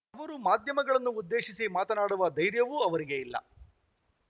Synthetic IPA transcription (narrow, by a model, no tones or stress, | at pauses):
ɐʋɐɾumaːd̪ʱjɐmɐɡɐɭɐnːuːd̪ːe̞ːʂisimaːt̪ɐnaːɽuʋɐd̪ɐjɾjɐʋuːɐʋɐɾiɡe̞ilːɐ̰